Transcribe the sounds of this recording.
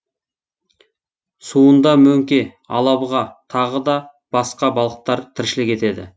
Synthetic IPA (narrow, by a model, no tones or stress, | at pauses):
suənd̪ɑmɵŋkʲe̞ | ɑ̰lˠɑbʁɑt̪ʰɑʁəd̪ɑ | b̥ɑsqɑbɑlˠəq̚t̪ɑɾt̪ʰɪɾʃɪlɪkʲe̞t̪e̞d̪ɪ̰